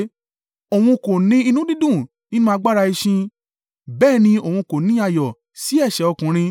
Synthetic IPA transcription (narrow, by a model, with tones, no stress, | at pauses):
o˨w̃ũ˧ko˨nĩ˧i˧nũ˨˦dĩ˦dũ˦˨ | nĩ˦nũ˦ã˦˧ɡ͡ba˦ɾa˧i˧ʃĩ˧ | bɛː˦˨nĩ˧o˨wũ˧ko˨nĩ˧˦a˧˨jɔ˨ | si˨˦ɛ˦˨ʃɛ˨ɔ˧kũ˨ɾ̃ĩ˧